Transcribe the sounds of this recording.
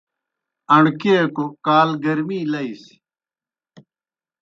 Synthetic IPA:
əɳkekokaːlɡɐɾmiːlɐis

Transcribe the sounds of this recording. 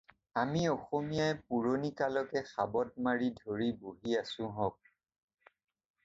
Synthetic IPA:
amiɔxomijajpuɹonikalɔkɛxabɔt̚maɹidʱoɹiboɦiasʊ̃ɦɔk̚

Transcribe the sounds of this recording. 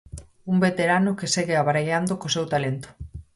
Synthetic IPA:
umbet̪eɾanokeseɣeaβaɾeʎand̪okosewt̪alent̪ʊ̥

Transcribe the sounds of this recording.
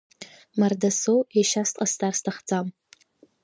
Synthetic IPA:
mardasowjaʃastʼqʼastʰarstʰaχd͡zam

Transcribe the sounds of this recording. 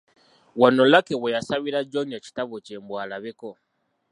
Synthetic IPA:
wano̞lakewejasaβiɾaɟoɲaci̥taβoceːmbwaːlaβeko

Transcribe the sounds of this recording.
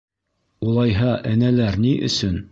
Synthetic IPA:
ulˠɑjɦɑʔɘ̆nælæɾniʔɵ̰̆sɵn

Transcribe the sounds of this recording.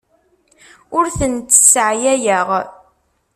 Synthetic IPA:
ʊɾθənt͡s̪ːə̥sʕjæjəʁ

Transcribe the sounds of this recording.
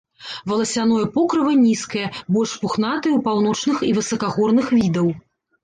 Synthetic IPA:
vɐlˠɐsʲanɔjɐpɔkɾɨvɐnʲiskɐjɐbɔlʲʂpuxn̪at̪ɨjwpawn̪ɔt͡ʂnɨxivɨsɐkaɣɔrnɨxvʲid̪ɐw

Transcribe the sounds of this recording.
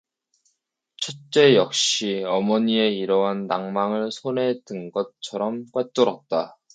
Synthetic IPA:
t͡ɕʰʌt͡ɕ͈e̞jʌk̚ɕ͈iʌmʌɲie̞iɾʌɦanːaŋmaŋɯɭsʰone̞dɯnɡʌt͡ɕʰʌɾʌmkwat͈ʌɾʌt̚t͈a

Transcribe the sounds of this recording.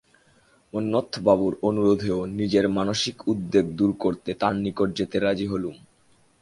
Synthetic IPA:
onːot̪ʰːobabuɾonuɾod̪ʱeonid͡ʑeɾmanoʃikud̪ːeɡd̪uɾkoɾt̪et̪annikoʈ̚d͡ʑet̪eɾad͡ʑiɦolum

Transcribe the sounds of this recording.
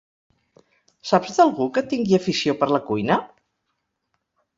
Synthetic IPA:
sapzðəlˠɣukət̪iŋɡiəfisiopəɾləkujnə

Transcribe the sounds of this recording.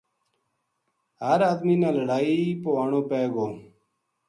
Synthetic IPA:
ɦəɾaːd̪miːnãːləɽaːiːpoːaːɳõːpeːɡoː

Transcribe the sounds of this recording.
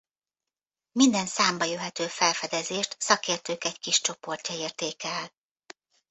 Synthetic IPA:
mind̪ɛnsaːmbɒjøɦɛt̪øːfɛlfɛd̪ɛzeːʃt̪sɒkeːrt̪øːkɛckiʃt͡ʃo̞po̞rcɒeːrt̪eːkɛl

